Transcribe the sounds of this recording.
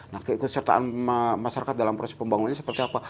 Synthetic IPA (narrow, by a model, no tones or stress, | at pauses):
nahkəikʊt̪̚sərt̪a̰ʔa̰nmaʃaɾakat̪̚dalampɾosɛ̥spəmbaŋunanɲasəpərt̪iapa